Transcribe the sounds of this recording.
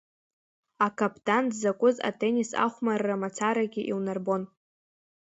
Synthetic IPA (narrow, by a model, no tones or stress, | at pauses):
akʰapʰʼtʰʼandzakʷʼʊza̰tʰʼenʲisa̰χʷmarːamat͡sʰaɾaɡʲɪʔilnarbo̞n